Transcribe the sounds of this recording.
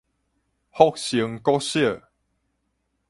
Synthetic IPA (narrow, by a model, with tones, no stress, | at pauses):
hɔ˦˨k̚ɕi˨˦ŋkɔ˦ɕə˥˨